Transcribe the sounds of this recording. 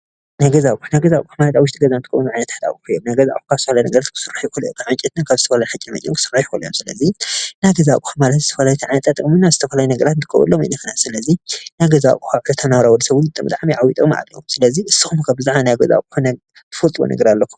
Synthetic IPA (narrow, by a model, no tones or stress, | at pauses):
najɡɐzakʼuħnajɡɐzakʼuħamalɐt̪aβwʊʃt̪ʰʼiɡɐzant̪ɨkʼɐ̰wunuʕajnɐt̪ʰḁt̪a̰kʼuħujomnajɡɐza̰kʼuxaz̥ɨt̪ɐfɐlajnɐɡɐɾat̪̚kʰɨ̥sɨrːaħjikʰoljokʰaʕant͡ʃʼit̪nɨnkʰaβzɨt̪ʰɐfɐlajħakʼimɐt͡ʃʼːomkʰɨ̥sɨrːajkoljo̰msɨlɐ̰zinajɡɐzakʼuħamalɐt̪zɨ̥t̪ʰɐfɐlajt̪ʰɨʕajnɐt̪ʰat̪ʼɨkʼminaz̥ɨt̪ʰɐfɐlajunɐɡɐɾat̪ɨnt̪ʰɨkʼːɐ̰wṵlːomḭnɨxɨnasɨlɐzinajɡɐza̰kʼuxaʕɾɐt̪ʰanawɾawɔd̪ɐsɐβulɨt̪ʼɨmbɨt̪ʼaʕmiʕawit̪ʼoma̰ʕa̰lo̰msɨlɐziʔɨsɨxmkʰabɨzaʕmanajaɡɐza̰kʼuħana | t̪ʰɨfɐlt̪ʼwo̰nʔɐ̰ɡɐɾalːɐkʰːu